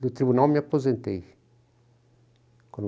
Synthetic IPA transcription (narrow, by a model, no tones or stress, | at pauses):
d̪ʊt̪ɾiβunawmapozẽnt̪ej | kwɐ̃n